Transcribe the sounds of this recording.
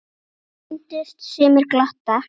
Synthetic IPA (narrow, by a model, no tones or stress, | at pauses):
ɪnt̪ɪst̪sɛːmɪɾklaht̪a